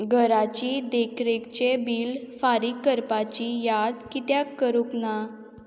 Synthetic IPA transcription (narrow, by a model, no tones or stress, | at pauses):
ɡʱəɾat͡ɕid̪ekʰɾekt͡ɕebiːlfaɾikːəɾpat͡ɕijad̪kit̪jakːəɾukna